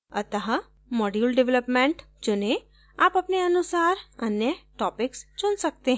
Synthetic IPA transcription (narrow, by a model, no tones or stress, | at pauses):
ɐ̰t̪əɦa | mɔːɖjulɖɪʋləpmẽːɳʈ | d͡ʒʊnẽ | aːpɐpneɐnʊsaːɾɐnjəʈɔːpɪkst͡ʃʊnsɐk̚t̪eɦ